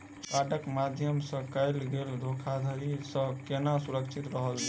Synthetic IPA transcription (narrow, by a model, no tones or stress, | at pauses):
kkaʈəkmad̪ʱjəmsə̃kajlɡeld̪ʱokʰad̪ʱəɾisə̃kenasuɾəkt͡ʃʰit̪ɾəɦəl